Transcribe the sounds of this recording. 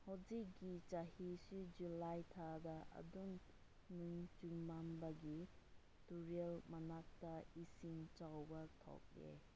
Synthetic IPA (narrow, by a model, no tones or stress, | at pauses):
howd͡ʒikːit͡ʃahisud͡ʒulajtʰadɐʔɐ̰duŋ | nɯŋt͡ʃuŋmambɐɡi | tuɾielmɐnak̚tɐisiŋt͡ʃawbɐtʰɔ̰k̚dḛ